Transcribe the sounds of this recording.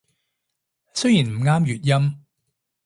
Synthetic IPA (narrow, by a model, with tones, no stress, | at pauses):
sɵ˥ɥjiː˨˩nm̩˨˩ŋaː˥mjyː˨t̚jɐ˥m